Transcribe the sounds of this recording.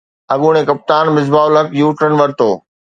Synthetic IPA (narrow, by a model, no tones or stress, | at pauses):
ɐɠuɽ̃ẽkɐp̚t̪aːnmɪzbaːʊlɦɐkjuːʈənʋɐɾt̪oː